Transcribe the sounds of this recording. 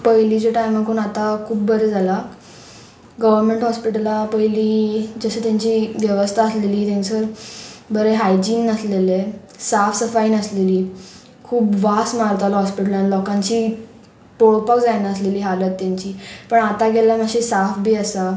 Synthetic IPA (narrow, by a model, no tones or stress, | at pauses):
pəɦlid͡ʑaʈajmakoɳat̪akʰuːp̚bəɾed͡zʱala | ɡəʋəɾmeɳʈɦɔspiʈəlapəjliːd͡zəɕet̪jaɲt͡ɕiːʋjəʋəst̪ʰaəsleliːt̪ãnsəɾbəɾeɦajd͡ʑiːnːəslele | safsəfainəsleliː | kʰuːpʋasmaɾt̪alɦɔspiʈəlãnlɔkãɲt͡ɕiː | poɭpəkd͡zajnaəsleliːɦalət̪ːjaɲt͡ɕiːpəɳat̪aɡelaməɕisafbʱiːəsa